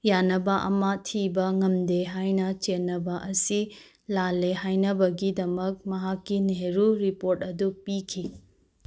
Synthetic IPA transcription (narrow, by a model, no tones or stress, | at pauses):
janɐbɐʔɐmɐtʰibɐŋɐmdeɦajnɐt͡ʃenːɐbɐʔɐsi | lalːeɦajnɐbɐɡidɐmɐk̚mɐɦakːineɾuɾipoɾtɐdupikʰi